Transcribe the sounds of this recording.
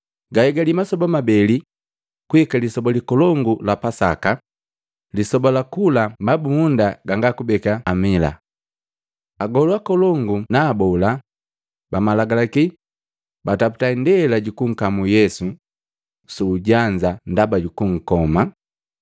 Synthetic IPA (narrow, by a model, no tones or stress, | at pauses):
ɡajɛɡalimasɔbamabɛli | kwhɛkalisɔbɔlikɔlɔŋɡulapasa̰ka | lisɔbɔlakulamabuundaɡaŋɡakubɛkaːmila̰ | aɡɔluakɔlɔŋɡunaːbɔla | bamalaɡalaki | bataputandɛlaɟukuŋ̩kamujɛsu | suːɟaɲd͡ʒandabaɟukuŋ̩kɔma